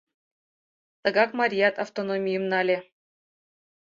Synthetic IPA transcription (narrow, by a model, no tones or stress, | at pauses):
t̪ɤ̆ɡɑkmɑɾʲijɑt̪ɑft̪onomʲijɤ̆mnɑlʲĕ